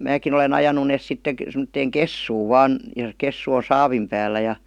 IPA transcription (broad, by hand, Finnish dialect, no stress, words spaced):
mæːkin olen ɑjɑnu neːs sitːe k semə̆tːeːŋ kesːuːʋ ʋɑːn jɑ kesːu o sɑːʋim pæːlːæ jɑ